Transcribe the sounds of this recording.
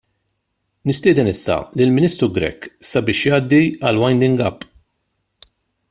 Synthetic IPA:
nɪst̪ɪːd̪ɛnɪsːɐ̰lɪlmɪniːst̪ɾuɡɾɛ̰kːsɐbɪːʃjɐːd̪ːiɐlwɐjnd̪ɪŋɡɐpː

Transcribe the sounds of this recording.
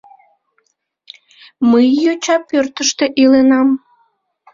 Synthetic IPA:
məjːot͡ɕɑpørt̪əʃt̪eʔilenɑm

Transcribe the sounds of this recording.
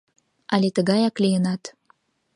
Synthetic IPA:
ʔɑlet̪əɣɑjɑklijənɑt̪

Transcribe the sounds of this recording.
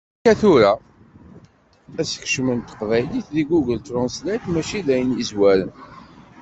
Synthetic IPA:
æθʊɾa | æsə̥ç̥ʃmənt̪ə̥qvæjliθðiɡuɡəlt̪ɾɔnslæt̪mæʃiðæjənjizwæɾən

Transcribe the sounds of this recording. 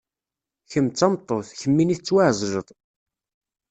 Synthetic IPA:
çəmt͡sːɑmt̪ˤːoθçəmːiniθət͡sːwaʕzˤʒəðˤ

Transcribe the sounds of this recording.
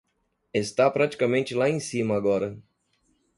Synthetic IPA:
est̪apɾat͡ʃi̥kamẽnt͡ʃɪlaẽj̃sĩmɐːɡɔɾɐ

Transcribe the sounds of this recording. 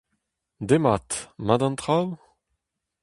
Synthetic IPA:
d̪emat̪mad̪ɑ̃nt̪ʁaw

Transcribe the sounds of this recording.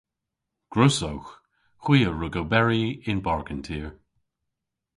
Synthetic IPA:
ɡ̥ɹosowx | xw̥iːəɹʊɡowbɛɹiɪnbaɹɡəntʰiːɹ

